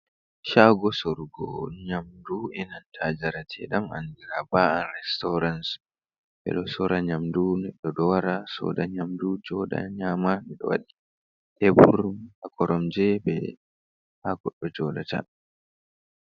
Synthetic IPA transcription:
ʃaɡɔsɔɾuɡɔ̰ɲamduʔɛnantʰad͡ʒaɾatʰɛɗama̰ndiɾabaanɾɛstɔɾans | ɓɛ̰ɗɔsɔɾaɲamdunɛɗːɔɗɔwaɾasɔ̰ɗaɲamdud͡ʒɔda̰ɲamamɛɗɔ̰wa̰ɗi | tɛbuɾumhakɔɾɔmd͡ʒɛbɛ̰ | haɡɔɗːɔd͡ʒɔda̰ta̰n

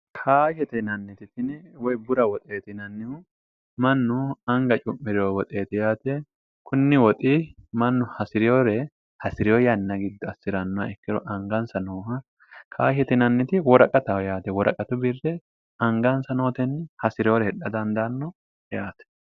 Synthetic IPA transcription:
kʰaːʃɛt̪ɛnɐnːɪt̪ɪfɪnɪwɔjbʊɾɐwɔt̪ʼe̞ːt̪ɪnɐnːɪhʊ | mɐnːʊɐŋɡɐt͡ʃʼʊmːɪɾɪowɔt̪ʼe̞ːt̪ɪjaːt̪ɛ | kʰʊnːɪwɔt̪ʼiːmɐnːʊhɐsɪɾɪjoːɾɛ | hɐsɪɾɪjoːjɐnːɐɡɪd̪ːɔɐsːɪɾɐnːɔɐ̰ɛkːɪɾɔʔɐŋɡɐnsɐnoːɦɐ | kʰaːhɛt̪ɪnɐnːɪt̪ɪwɔɾɐkʼɐt̪ɐjaːt̪ɛwɔɾɐkʼɐt̪ʊbɪrːɛ | ɐŋɡɐnsɐno̞ːt̪ɛnhɐsɪɾɪjoɾɛhɛᶑɐd̪ɐnd̪anːɔ | jaːt̪ɛ̥

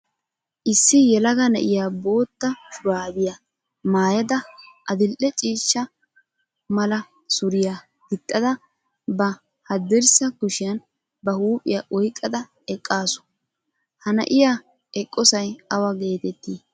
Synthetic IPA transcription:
ʔɪsːɪjɛlɐɡɐnɛ̰ʔɪjabo̞ːt̪ːɐʃʊɾaːbɪja | maːjɐd̪ɐʔɐd̪ɪlʔɛt͡ʃʼiːʃːɐ | mɐlɐ | sʊɾɪja | ɡ̥ɪt̪ʼːɐd̪ɐ | bɐ | hɐd̪ːɪɾsɐkʊʃɪjɐn | bɐhuːpʼɪjaʔɔjkʼːɐd̪ɐ | ɛkʼːaːsʊ̥ | hɐnɐ̰ʔɪja | ɛkʼːɔsɐjɐwɐɡe̞ːt̪ɛt̪ːiː

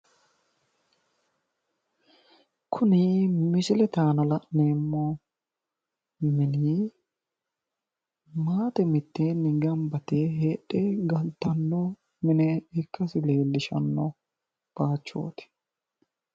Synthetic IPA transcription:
kʰʊnɪmɪsɪlɛt̪aːnɐlɐʔneːmːɔ | mɪni | maːt̪ɛmɪt̪ːeːnːɪɡɐmbɐt̪eɦeːɗɛɡɐlt̪ɐnːɔ | mɪnɛɪkːɐsɪle̞ːlːɪʃɐ̰nːɔ | b̥aːt͡ʃːo̰ːt̪ɪ̥

